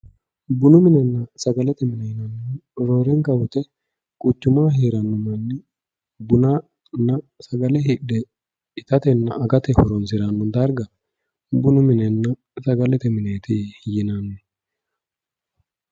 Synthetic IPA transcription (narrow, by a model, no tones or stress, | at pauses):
bʊnʊmɪnɛnːɐsɐɡɐlɛt̪ɛmɪnɛjɪnɐnːɾo̞ːɾɛŋkɐwʊt̪ɛ | kʼʊt͡ʃːʊmaːɦeːɾɐnːɔmɐnːɛ | bʊna | nːɐsɐɡɐlɛɦɪɗɛ | ɪt̪ɐt̪ɛnːɐ̰ʔɐɡɐt̪ɛhɔɾɔnsɪɾɐnːɔnd̪ɐɾɡɐ | bʊnʊmɪnɛnːɐ | sɐɡɐlɛt̪ɛmɪneːt̪ɪjɪnɐnːʊ